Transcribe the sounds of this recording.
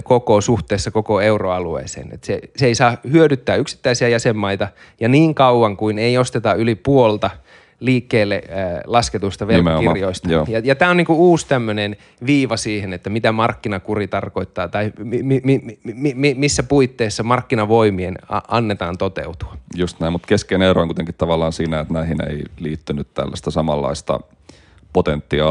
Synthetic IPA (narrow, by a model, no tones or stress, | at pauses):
kokosuht̪eːsːɑkokoeuroɑluḛːsḛːnḛt̪seseisɑːhyødyt̪ːæːyksi̥t̪ːæisiæjæsemːɑit̪ɑ | jɑniːŋkɑuʋɑŋkuineiost̪et̪ɑylipuolt̪ɑ | liːkːeːlːḛlɑsket̪ust̪ɑʋelkirjoist̪ɑ̰ːjɑjɑt̪æːoniːŋkuuːst̪æmːønen | ʋiːʋɑsiːhenet̪ːæmit̪æmɑrkːinɑkurit̪ɑrkoit̪ːɑːt̪ɑimimimimimimisːæpuit̪ːeːsːɑmɑrkːinɑʋoimienɑ̰ɑnːet̪ɑːnt̪ot̪ḛut̪u̥ɑjust̪næimut̪keskeneɾoˑiŋkuit̪eŋkit̪t̪ɑʋɑlːˑɑːnsiːnæet̪næhinḛiliːt̪ːynyt̪t̪æ̰lːæ̰st̪æsɑmɑlːɑ̰ist̪ɑ̰ | pot̪ent̪ːiɑ